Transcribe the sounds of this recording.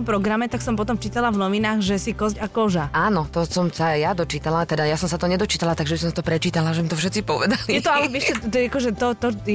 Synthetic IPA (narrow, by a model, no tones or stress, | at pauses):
ɔmpɾɔɡɾamɛt̪aksɔmpɔt̪ɔmt͡ʃiːt̪alavnɔʋinaːɣʒɛsikɔzcakɔʒaaːnɔt̪ɔsɔmsajad̪ɔt͡ʃiːt̪alat̪ɛd̪ajasɔmsat̪ɔɲɛd̪ɔt͡ʃiːt̪alat̪aɡʒɛbisɔmsat̪ɔpɾɛt͡ʃiːt̪alaʒɛmit̪ɔfʃɛt̪t͡sipɔʋɛd̪alijɛt̪ɔalɛʋɛʃɛt̪akɔʒɛt̪ɔt̪ɔ